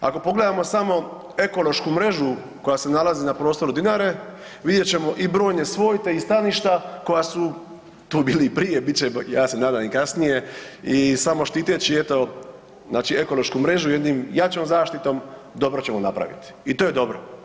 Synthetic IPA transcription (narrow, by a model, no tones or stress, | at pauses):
a̰ko̞po̞ɡle̞d̪amo̞samo̞ | e̞ko̞lˠo̞ʃkumɾe̞ʒu | ko̞jase̞nalazinapɾo̞ːst̪o̞ɾud̪inaːɾe̞ | ʋid̪je̞t͡ɕe̞mo̞ʔibɾo̞ːjne̞sʋo̞ːjt̪e̞ist̪aliʃt̪ako̞jasu | t̪uːbiːlipɾijebit͡ɕejaːse̞naːd̪ajikasnije̞isamo̞ʃt̪iːt̪et͡ɕiet̪o̞ | znaːt͡ʃie̞ko̞lo̞ʃkumɾe̞ʒujed̪niːmjat͡ɕomzaːʃt̪it̪o̞md̪o̞bɾot͡ɕe̞monapɾa̰ʋḭt̪i̥it̪o̞ːjed̪o̞bɾo̰